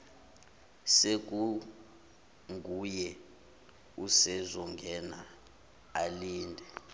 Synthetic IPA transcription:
sek̬u | ŋujɛ | usɛzɔŋɡʱɛna | aliːndʱɛ

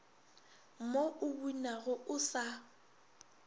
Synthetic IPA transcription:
moʔʊbunaɣʊʊsa

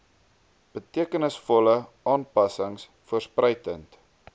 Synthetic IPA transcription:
b̥ətiəkənəsfɔlə | ɑːnpɐsəŋs | fuərsprəjtənt

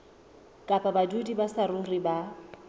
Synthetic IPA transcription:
kʼapʼabadudibasaɾʊŋriba

